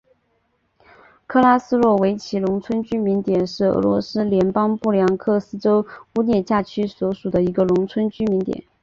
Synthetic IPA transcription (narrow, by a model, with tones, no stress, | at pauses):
kʰɤ˥˧la˥sɹ̩˥lwɔ˥˩we˧˥ɪt͡ɕʰi˧˥lʊ˧˥ŋt͡sʰwə˥nt͡ɕy˥mi˧˥nt̪jɛ˨˩nʂɻ̩˥˩ɤ̰˧˥lwɔ̰˧˥sɹ̩˥ljɛ˧˥npɑ˥ŋpu˥˩ljɑ˧˥ŋkʰɤ˥˩sɹ̩˥ʈ͡ʂo˥ʊu˥njɛ˥˧t͡ɕja˥˩t͡ɕʰy˥swɔ˧˥ʂu˨˩d̪ə˦i˧˥ɡə˧lʊ˧˥ŋt͡sʰwə˥nt͡ɕy˥mi˧˥nt̪jɛ̰˨˩˦n